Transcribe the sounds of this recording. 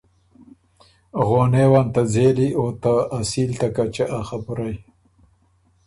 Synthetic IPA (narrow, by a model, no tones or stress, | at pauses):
ɣonewant̪ad͡zeliot̪aːsilt̪akat͡ʃeʔaxapʊɾaj